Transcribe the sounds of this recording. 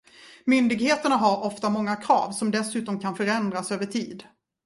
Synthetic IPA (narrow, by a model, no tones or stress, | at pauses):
mʏnd̪ɪɡheːt̪əɳaɦaɾɔft̪amɔŋːakʰɾɑ̰ːvsɔmd̪ɛsʉ̟ːt̪ɔmkʰanfœɾɛnd̪ɾasøːvəʈʰiːd̪